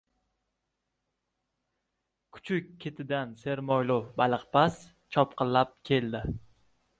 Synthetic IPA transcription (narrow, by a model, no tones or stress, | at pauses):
kʰʊ̥t͡ʃʰʊkʲʰːe̞t̪ʰɪd̪anse̞ɾmɒjlʊfbalɨqpʰas | t͡ʃʰɒpqɨlːap̚kʲʰe̞ld̪ɪ